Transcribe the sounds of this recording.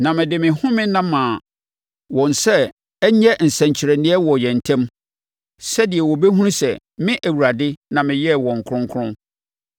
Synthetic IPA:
nã˨mɪ̃˨dɪ˨mɪ̃˨hʊ̃˦mɪ̃˦nã˦mãː˨ | wɔ̃˨nsɛ˦ | ɛ˦ɲɛ˦n̩˨sɛ̃˨ɲt͡ɕʰɪ˨ɾɛ˨nɪ̃˦ɛ˦wɔ˨jɛ̃˨n̩˨tʰɛ̃˦m | sɛ˦dɪ˨ɛ˨wɔ˨be˦ɦũ˦ɾ̃sɛ̰˨ | mɪ̃˦ʔæ˨wu˨ɾa˨dɪ˦nã˨mɪ̃˨jɛ˦wɔ̃˨ŋ̩˨kʰʊ˦ʊ̃˦ŋ˦kʰʊ˦ʊ̃˦

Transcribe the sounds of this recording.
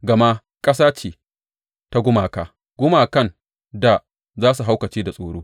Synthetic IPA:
ɡɐ˨ma˦ | kʼɐ˦s̬aː˦t͡ʃiː˨ | ta˦ɡʷʊ˦maː˨kaː˦ | ɡ̥ʷʊ˦maː˨kɐ˦˨n | da˨ | zaː˦su˨ɦa˦wkɐ˨t͡ʃiː˦da˨sʼoː˨ɽoː˦

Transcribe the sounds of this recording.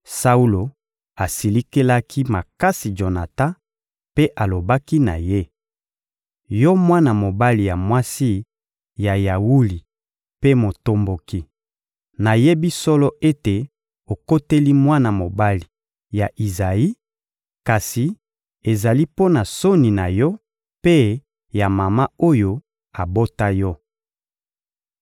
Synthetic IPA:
sa˦u˦lo˨ | a˨si˨li˦ke˦la˦kʰi˦ma˨ka˦si˨d͡ʒo˨na˨ta˦ | pe˦ʔa˨lo˨ba˦ki˦na̰˨je˦ | jɔ˦mwa˦na˨mo˨ba˦li˨ja˨mwa˦si˦ | ja˨ja˨wu˦li˨ | pe˦mo˨to˦mbo˨ki˦ | na˨je˦bi˦sɔ˦lɔ˦ʔe˦te˨ | o˨ko˦te˦li˦mwa˦na˨mo˨ba˦li˨ | ja˨ʔi˨za˨i˦ | ka˨si˨ | e˨za˨li˦po˦na˨so˦ni˨na˨jɔ˦ | pe˦ | ja˨ma˨ma˦o˦jo˦ | a˨bo˦ta˦jɔ˦

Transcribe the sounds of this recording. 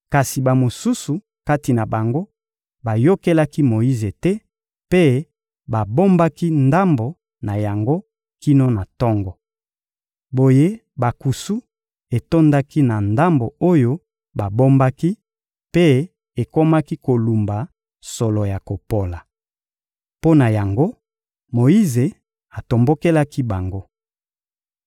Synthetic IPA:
ka˨si˨ba˨mo˨su˦su˨ | ka˦ti˨na˨ba˨ŋɡo˦ | ba˨jo˦ke˦la˦ki˦mo˨ji˦ze˨tɛ˦ | pe˦ | ba˨bo˦mba˦ki˦nda˦mbo˨ | na˨ja˨ŋɡo˦ | ki˦no˦na˨tɔ˦ŋɡɔ˨ | bo˨je˦ | ba˨ku˨su˦ | e˨to˦nda˦ki˦na˨nda˦mbo˨o˦jo˦ | ba˨bo˦mba˦ki˦ | pe˦ | e˨ko˦ma˦ki˦ko˨lu˨mba˨ | sɔ˨lɔ˨ja˨ko˨po˨la˨ | po˦na˨ja˨ŋɡo˦ | mo˨ji˦ze˨ | a˨to˨mbo˦ke˦la˦ki˦ba˨ŋɡo˦

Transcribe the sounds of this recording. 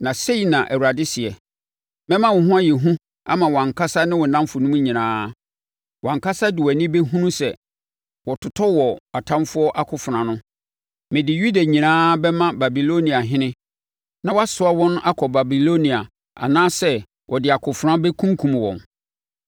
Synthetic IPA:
nã˨se˦i˨nã˨ʔæ̰˨wu˨ɾa˨dɪ˦sɪ˨ɛ˨ | mɛ̃˦mã˦wʊ˨ɦʊ̃˦a˦jɛ˨ɦũ˦ | a̰˦mã˨wɔ˨ã˨kʰa˦sa˦nɪ̃˦wɔ˨nã˦mfʊ˨nũ˦mũ˦ɲĩ˨nãː˦ | wɔ˨ã˨ŋkʰa˦sa˦dɪ˨wɛ˨nɪ̃˦be˦ɦũ˦nũ˦sɛ˨ | wɔ˨tʰʊ˨tʰɔ˦wɔ˨a˨tʰã˦mfʊ˦ɔ˦ʔa˦kʰʊ˨fɾã˨nʊ̃˦ | mɪ̃˨dɪ˨ju˦da˨ɲĩ˨nãː˦bɛ˦mã˦ba˨bi˨lo˦nĩ˨a˨ɦɪ̃˦nɪ̃˦ | nã˨wɔ˦a˦sʊ˨˦a˦wɔ̃˦ñ˦ʔa˦kʰɔ˨ba˨bi˨lo˦nĩ˨a˨ | a̰˨nãː˦sɛ˦ | wʔɔ˨dɪ˨a˨kʰʊ˨fʊ˨ɾã˦bɛ˦kʰũ˦ŋ˦kʰũ˨m˨wɔ̰̃˨n

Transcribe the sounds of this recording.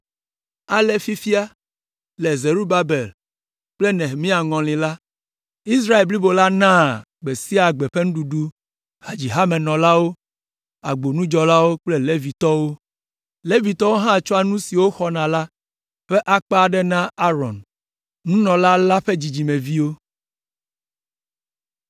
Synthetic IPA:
a˨le˦fi˦fi˦a˦ | lɛ˨ze˨ɾu˦ba˦be˨l | k͡ple˦nɛ̃˨ɦmĩ˦a˨ŋɔ̃˨lĩ˨la˦ | i˦s̬ɾa˦e˨lbli˦bo˨la˦nã˦ | ɡ͡be˨si˦a˨ɡ͡be˨ɸe˦ŋũ˦ɖu˨ɖu˦ | ha˨d͡ʑi˨ɦa˦mɛ˨nɔ̃˨la˦wo˦ | a˨ɡ͡bo˨nũ˦d͡ʒɔ˨la˦wo˦k͡ple˦le˦vi˨t̪ɔ˦wo˦ | le˦vi˨t̪ɔ˦wo˦ɦã˦˨t͡ʃɔ˦a˦˨nũ˦si˨wo˦xɔ˦nã˨la˦ | ɸe˦ʔa˦k͡pa˦˨ɖɛ˦nã˦a˦ɾɔ̰̃˨n | nũ˦nɔ̃˨la˦la˦ɸe˦d͡ʑi˨d͡ʑi˨mẽ˨vi˦wo˦

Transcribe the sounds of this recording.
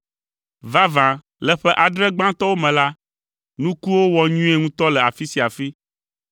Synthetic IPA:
va˦vã˨ | lɛ˨ɸɛ˦ʔa˨ɖɾɛ˦ɡ͡bã˦t̪ɔ˦wo˦mɛ̃˨la˦ | nũ˦ku˦wo˦wɔ˨ɲũ˦e˦ŋũ˦t̪ɔ˦lɛ˨a˨fi˦si˨a˨fi˦

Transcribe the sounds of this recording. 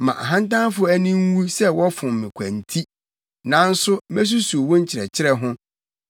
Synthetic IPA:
mã̰˨ʔa̰˨ɦã˦n˦tã˦fʊ˦æ˦nĩ˦ŋ˦wu˦sɛ˦wɔ˦fʊ̃˨mmɪ̃˨kʷʰæ̃˨n˨tʰi˦ | nã˨n̩˦sʊ˦mæ˦s̬u˦su˨o˨wɔ̃˦ɲ̩˦t͡ɕʰɪ˨ɾɛ̰˨t͡ɕʰɪ˦ɾɛ˦ɦʊ̃˦

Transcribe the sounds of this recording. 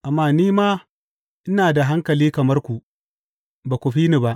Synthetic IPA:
ʔa˨mːaː˦niː˦maː˦ | ʔɪ˦naː˨da˨ɦa˦ŋkɐ˨liː˦kɐ˨mɐ˦rkʷu˨ʔ | baː˨kʷu˨ɸiː˦ni˨ba˦ʔ

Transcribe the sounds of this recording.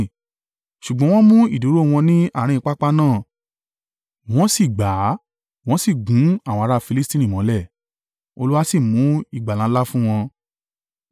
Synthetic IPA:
ʃu˨ɡ͡bɔ̃˨˦w̃ɔ̃˦mũ˦i˦˨du˨˦ɾo˦w̃ɔ̃˧nĩ˦a˦˨ɾ̃ĩ˧k͡pa˦k͡pa˦nãː˦˨ | w̃ɔ̃˦si˦˨ɡ͡ba˨˦ | w̃ɔ̃˦si˦˨ɡũ˨˦a˦˨wɔ̃˧a˧ɾa˦˨fi˧li˦stĩ˦nĩ˦˨mɔ̃˨˦lɛ˦˨ | o˧lu˦wa˦si˦˨mũ˨˦i˦˨ɡ͡ba˨lã˨˦la˦fũ˦w̃ɔ̃˧

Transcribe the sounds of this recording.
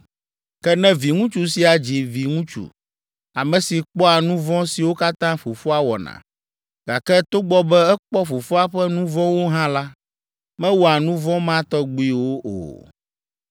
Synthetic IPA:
kɛ˦nɛ̃˦vi˨ŋũ˦t͡ʃu˨si˨a˨d͡ʑi˨vi˨ŋũ˦t͡ʃṵ˨ | a˨mɛ̃˨si˨k͡pɔ˦a˨nũ˦vɔ̃˦si˨wo˦ka˦t̪ã˦ɸo˨fo˦a˦wɔ̰˨nã̰˨ | ɡa˨kɛ˦t̪o˦ɡ͡bɔ˦bɛ˦ɛ˦k͡pɔ˦fo˨fo˦a˦ɸɛ˦nũ˦vɔ̃˦wo˦ɦã˦la˦ | mɛ̃˦wɔ˨a˨nũ˦vɔ̃˦mã˦t̪ɔ˦ɡ͡bu˦i˦wo˦ʔo̰˨

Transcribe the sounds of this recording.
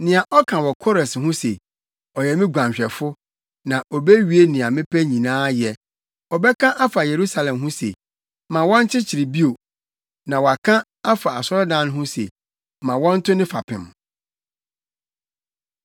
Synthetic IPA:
nɪ̃˨a˨ʔɔ˦kʰã˨wɔ˨kʰɔ˦ɾɛ˨shʊ̃˦se˨ | ɔ˨jɛ˨mɪ̃˦ɡʷã˨ɕᶣɛ˨fʊ˦ | nã˨ʔɔ˨be˦ɥi˨e˦nɪ̃˨a˨mɪ̃˦pʰɛ˦ɲĩ˨nãː˦jɛ˨ | ɔ˨bɛ˦kʰã˦ʔa˦fa˨je˨ɾu˦sa˨lɛ̃˨mɦʊ̃˦sḛ˨ | mã˨wɔ̃˦n˦t͡ɕʰɪ˦t͡ɕʰɪ˨ɾi˨bi˦o˨ | nã˨wɔ˨a˨kʰã˦ | a˦fa˨a˨sɔ˦ɾɔ˦dã˦nʊ̃˦ɦʊ̃˦sḛ˨ | mã˨wɔ̃˦n̩˦tʰʊ˦nɪ̃˦fa˨pʰɪ̰̃˨m

